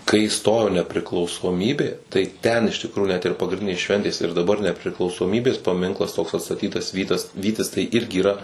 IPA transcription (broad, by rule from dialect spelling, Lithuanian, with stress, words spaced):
kɐɪ ˈstoːjoː nʲɛpʲrʲɪklˠɐʊsoːˈmʲiːbʲeː tɐɪ ˈtʲɛn ɪʃ tʲɪkˈruːjʊ nʲɛt ɪr pɐɡrʲɪnʲˈdʲɪnʲeːs ˈʃʲʋʲɛnʲtʲeːs ɪr dɐˈbɐr nʲɛpʲrʲɪklˠɐʊsoːˈmʲiːbʲeːs pɐˈmʲɪŋklˠɐs toːks ɐtstɐˈtʲiːtɐs ˈʋʲiːtɐs ˈʋʲiːtʲɪs tɐɪ ˈɪrʲɡʲɪ iːˈrɐ